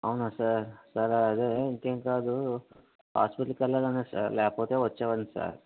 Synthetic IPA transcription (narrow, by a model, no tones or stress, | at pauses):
ɐwnaːsaɾsɐɾɐd̪eːiŋkeːŋkaːd̪u | ɦa̰ːspiʈɐlkɐlːɐdɐneːsa̰ɾlɛːkɐpoːt̪e̞ːʋɐt͡ʃːaːʋɐnd̪isa̰ːɾ